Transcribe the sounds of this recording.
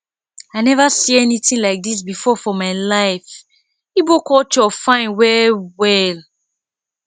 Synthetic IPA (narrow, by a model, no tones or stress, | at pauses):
aɪnɛvasiɛnitĩnlaɪk̚dis̬bifɔfɔmaɪlaɪf | ibokɔtɔfãɪ̃nwɛwɛl